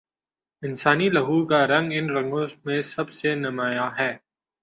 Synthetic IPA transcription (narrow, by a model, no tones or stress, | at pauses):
ɪnsaːnilɐɦuːkaɾɐ̃ŋɡɪnɾɐ̃ŋɡõmẽsɐbsenɐmaːjaɦɛː